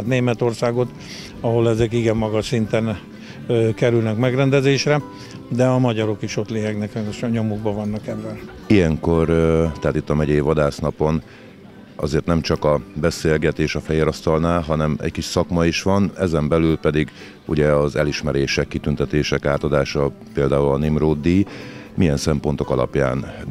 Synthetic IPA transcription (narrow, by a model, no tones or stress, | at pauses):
t̪neːmɛt̪o̞rsaːɡo̞t̪ | ɒɦo̞lɛzɛkiɡɛmːɒɡɒʃsint̪ɛn | kɛɾylnɛkmɛɡrɛnd̪ɛzeːʃrɛ | d̪ɛɒmɒɟɒɾo̞kiʃo̞t̪leːɦɛɡnɛkɛneʃɒɲomuɡ̚bɒvɒnːɒkɛvːɛl | ijɛŋko̞rt̪ɛɦaːt̪it̪ːɒmɛɟɛjvɒd̪aːsnɒpo̞n | ɒ̰zeːrt̪nɛmt͡ʃɒkɒbɛseːlɡɛt̪eːʃɒfɛjeːɾɒst̪ɒlnaːlɦɒnɛmɛ̰ckiʃsɒkmɒiʃʋɒnɛzɛmbɛlylpɛd̪iɡ | ṵɟɛɒzɛliʃmɛɾeːʃɛkːit̪ynt̪ɛt̪eːʃɛkaːt̪ɒd̪aːʃɒ | peːld̪aːulɒnimroːd̪ːimijɛnsɛmpo̞nt̪o̞kɒlɒ̰pja̰ːn